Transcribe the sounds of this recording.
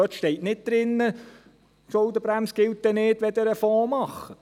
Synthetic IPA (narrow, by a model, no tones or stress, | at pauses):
øt̪ʃtɛɪtnɪt̚d̪̥ɾɪnːə | ʃɔldəbɾæmsɡ̥ɪlt̚d̥̪ɛnɪːdʋɛd̪əɾəfɔːmɑχə